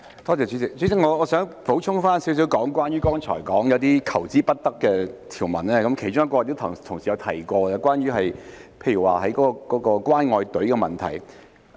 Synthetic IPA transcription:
t̪ɔː˥t͡sɛː˨˧t͡sy˨˥t͡sɪ˨k̚t͡sy˨˥t͡sɪ˨˥ŋɔː˨˧ɔː˨˧sœː˨˥ŋpo˨˥wt͡ʃʰʊ˥ŋfaː˥nsiː˨˥ws̬iː˨˥wkɔː˨˥ŋkwaː˥nɥyː˥kɔː˥ŋt͡ʃʰɔ̰ː˨˩jkɔː˨˥ŋjɐ˨˧wt̪iː˥kʰɐ˨˩wt͡siː˥pɐ˥t̚t̪ɐ˥kːɛː˧t̪ʰiː˨˩wmɐ˨˩nlɛː˥kɐ˨˥mkʰe˨˩jt͡ʃʊ˥ŋjɐ˥kːɔː˧t̪o˥wt̪ʰʊ˨˩t̪ʰʊ˨˩ŋsiː˨˩ɐ˨˧wt̪ʰɐ̰˨˩jkʷɔː˧la˧kwaː˥nɥyː˧˥ɦɐ˨jpʰe˧jy˨˩wa̰ː˨ɦɐ˨˥jkɔː˨˥kɔ˧kɔː˨˥kɔː˧kwaː˥nŋɔː˧jt̪ɵ˨˥kɛ˧mɐ˨nt̪ʰɐ̰˨˩j

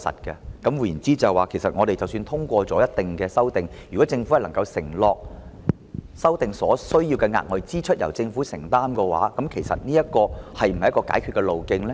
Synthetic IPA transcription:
sɐ̰˨t̚kɐ˧kɐ˨˥mwuː˨˩ji˨˩nt͡siː˥t͡sɐ˨waː˨kʰe˨˩jsɐ˨t̚ŋɔː˨˧ɾe˨jt͡sɐ˨wsyː˧nt̪ʰʊ˥ŋkʷɔː˧t͡sɔː˨˥jɐ˥t̚t̪ɪ˨ŋkɛː˧sɐ˥wt̪ɪ˨ŋjyː˨˩kɔː˨˥t͡sɪ˧ŋfhɐ˨jlɐ˨˩ŋkɐ˧wsɪ˨˩ŋlɔː˨k̚ | sɐ˥wt̪ɪ˨ŋsɔː˨˥sɵ˥ɥjiː˧wkɛ˧ŋa̰ː˧t̚ŋɔː˨jt͡siː˥t͡ʃʰɵ˥t̚jɐ̰˨˩wt͡sɪ˧ŋfuː˨˥sɪ˨˩ŋt̪aː˥mkɛː˧wa̰ː˨˥kɐ˨˥mkʰe˨˩jsɐ̰˨t̚niː˥jɐ˥t̚kɔː˧hɐ˨jm̩˨˩ɐ˨jɐ˥kɔː˧ka̰ː˨˥jkʰyː˨˧t̚kɛ˧lo˨wkɪ˧ŋlɛ˥

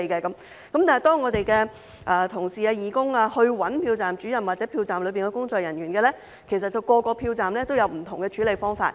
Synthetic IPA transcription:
kɛː˧kɐ˨˥m | kɐ˨˥mt̪aː˨hɐ˨˩t̪ɔː˥ŋɔː˨˧t̪e˨jkɛː˧ | ʔaː˨t̪ʰʊ˨˩ŋsiː˨aː˧jiː˨kʊ˥ŋaː˧hɵ˧ɥwɐ˨˥npʰiː˧wt͡saː˨mt͡ʃyː˨˥jɐ˨˩nwaː˨t̚t͡sɛː˨˥pʰiː˧wt͡saː˨mlɵ˨˧piː˨nkɛ˧˥kʊ˥ŋt͡sɔː˨k̚jɐ˨˩nɥyː˨˩nkɛː˧lɛː˥ | kʰe˨˩js̬ɐ˨t̚t͡sːɐ˨wkɔː˧kɔː˧pʰiː˧wt͡saː˨mlɛː˥t̪o˥wjɐ˨˧wm̩˨˩t̪ʰʊ˨˩ŋkɛ˧t͡ʃʰyː˨˥le˨˧jfɔː˥ŋfa̰ː˧t̚

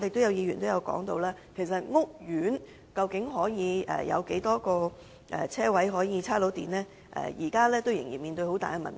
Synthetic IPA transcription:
t̪e˨jt̪o˥jɐ˧wjiː˧ɥyː˨˩nt̪o˥wjɐ˨˧wkɔ̰ː˨˥ŋt̪o˧wlaː˥kʰe˨˩jsɐ˨t̚ŋʊ˥k̚jyː˨˥n | kɐ˧wkɪ˨˥ŋɦɔː˨˥jiː˨˧ɛ̰ː˨˩jɐ̰˨˧wke˨˥jt̪ɔː˥kɔː˧ | ʔɛː˨t͡sʰɛː˥wɐ˨˥jɦɔː˨˥jiː˨˧t͡sʰaː˥lo˨˥wt̪iː˨˩nlɛː˥ | ʔɛ̰ː˨jiː˨˩kaː˥lɛː˥t̪o˥wjɪ˨˩ŋjiː˨˩nmiː˨nt̪ɵ˧ɥho˨˥wt̪a̰ː˨jɛ˧mɐ̰˨˩n

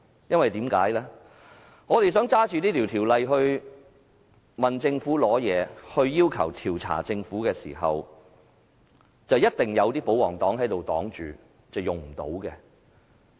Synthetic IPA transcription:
jɐ˥nwɐ˨jt̪iː˨˥mkaː˨˥jlɛː˥ | ŋɔː˨˧t̪e˨js̬œː˨˥ŋt͡saː˥t͡ʃyː˨t̪iː˥t̪ʰiː˨˩wt̪ʰiː˨˩wlɐ˨jɦɵ˧ɥ | mɐ˨nt͡sɪ˧ŋfuː˨˥lɔː˨˥jɛː˨˧hɵ˧ɥjiː˥wkʰɐ˨˩wt̪ʰiː˨˩wt͡sʰa̰ː˨˩t͡sɪ˧ŋfuː˨˥kɛː˧sḭː˨˩ɦɐ̰˨w | t͡sɐ˨wjɐ˥t̚t̪ɪ˨ŋjɐ˨˧wt̪iː˥po˨˥wɔː˨˩ŋt̪ɔː˨˥ŋɦɐ˨˥jt̪o˨wt̪ɔ̰ː˨˥ŋt͡ʃyː˨˩ | t͡sɐ˨wjʊ˨ŋm̩˨˩t̪o̰˨˥wkɛ˧

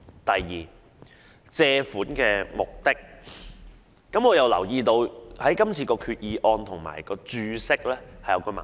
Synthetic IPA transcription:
t̪ɐ˨jːiː˨˩ | t͡sɛː˧fuː˨˥nkɛː˧mʊ˨˩k̚t̪ɪ˥k̚ | ɐ˨˥mŋɔː˨˧jɐ˨˧wlɐ̰˨˩wjiː˧t̪o˧whɐ˨˥jkɐ˥mt͡sʰiː˧kɔː˧kʰyː˧t̚jiː˨˧ʔɔː˧nt̪ʰʊ˨˩ŋma̰ː˨˩jkɔː˧t͡ʃyː˧sɪ˥k̚lɛː˥hɐ˨jɐ˨˧wkɔː˧ma̰˨

